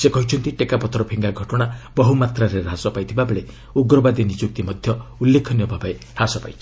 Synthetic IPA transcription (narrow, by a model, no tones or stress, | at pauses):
sekɔɦit͡ʃʰɔnt̪iʈekapɔt̪ɾɔpʰiŋɡaɡʱɔʈɔɽ̃abɔɦumat̪ɾaɾeɾɦasɔpajt̪ʰibabeɭe | uɡɾɔbad̪init͡ʃuk̚t̪imɔd̪ʱjɔulːekʰɔnjɔbʱabaeɾasɔpa̰jt͡ʃʰi